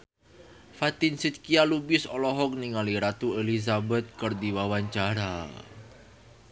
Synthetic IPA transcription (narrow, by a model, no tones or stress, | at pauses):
fat̪ɪnsit̪̚kialubɪsɔlɔɦɔk̚niŋaliɾat̪uelizabɛt̪̚kərdiwawaɲt͡ʃaɾa